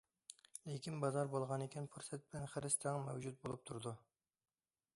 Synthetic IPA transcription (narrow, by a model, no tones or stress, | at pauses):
lekʲʰinbɑzɑɾbolˠʁɑnekʲʰɛnfuɾsɛt̪̚bɪlɛnχəɾɪst̪ʰɛŋmɛwd͡ʒut̪̚bolˠup̚t̪ʰuɾd̪u